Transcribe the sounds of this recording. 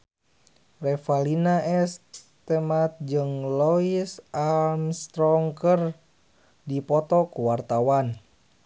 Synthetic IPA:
rɛfalinaʔɛst̪ɛmat̪̚d͡ʒɨŋlɔisamst̪ɾɔŋkər | dipɔt̪ɔkuwart̪awan

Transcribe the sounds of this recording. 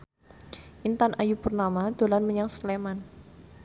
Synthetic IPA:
ʔint̪anʔajupərnamad̪̥o̤lanməɲaŋsleman

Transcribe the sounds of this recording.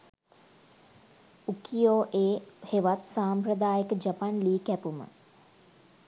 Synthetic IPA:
ukijoːʔeːheʋat̪saːmpɾəd̪aːjəkəd͡ʒapanliːkæpumə̰

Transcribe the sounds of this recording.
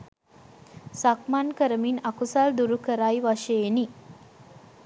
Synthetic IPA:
sakmankəɾəminɐkusald̪uɾukəɾaiʋaʃeːni

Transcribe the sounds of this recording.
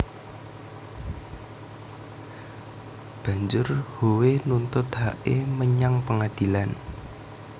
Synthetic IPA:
b̥ä̤ɲd͡ʒʊrhowenunt̪ʊt̪̚haʔḛməɲaŋpəŋad̪̥i̤lan

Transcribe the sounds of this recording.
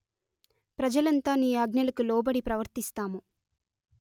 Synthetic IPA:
pɾɐd͡ʒɐlɐnt̪aːniːɐɡnɐlɐkulɔːbɐɽipɾɐʋɐɾt̪ist̪aːmu

